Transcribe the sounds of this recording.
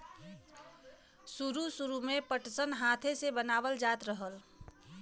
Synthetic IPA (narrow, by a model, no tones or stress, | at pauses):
suɾusuɾumepəʈsənɦat̪ʰesebənabəld͡ʒat̪ɾəɦəl